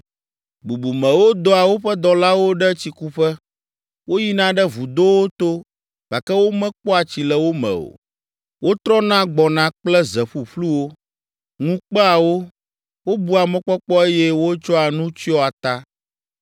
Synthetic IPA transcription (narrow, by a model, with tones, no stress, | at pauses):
bu˨bu˨mɛ̃˨wo˦d̪ɔ˦a˨wo˦ɸɛ˦d̪ɔ˨la˦wo˦ɖɛ˦t͡ɕi˨ku˦ɸɛ˦ | wo˦ji˦nã˦ɖɛ˦vu˨d̪o˦wo˦t̪o˦ | b̥a˨kɛ˦wo˦mɛ̃˦k͡pɔ˦a˨t͡ɕi˨lɛ˨wo˦mɛ̰̃˨o̰˨ | wo˦t̪ɾɔ˦nã˦ɡ͡bɔ˨nã˦k͡plɛ˦zɛ˨ɸu˨ɸlu˦wo˦ | ŋũ˦k͡pɛ˦a˨wo˦ | wo˦bu˦a˨mɛ̃˨k͡pɔ˦k͡pɔ˦e˦jɛ˦wo˦t͡ʃɔ˦a˨nũ˦t͡ɕi˦ɔ˦a˨t̪a˦